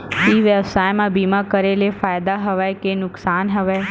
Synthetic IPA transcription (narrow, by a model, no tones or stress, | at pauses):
ʋiːʋjəbsaːjmãbiːmakəɾelefaːjd̪aɦɐʋakenʊksaːnɦɐʋe